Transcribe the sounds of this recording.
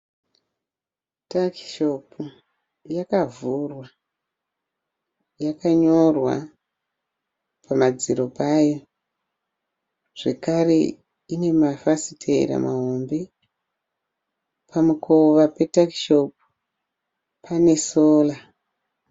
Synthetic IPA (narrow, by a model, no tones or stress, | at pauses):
taki̥ʃopu | jakavurwa | jakaɲo̞rwa̰ | pʰamad͡ziɾo̞pajo | ʐ̥e̞kare̞̰ | ine̞mafasitʰeḭɾa̰maɦombe | pʰamukʰoʋape̞takiʃop̚u | pʰane̞soːla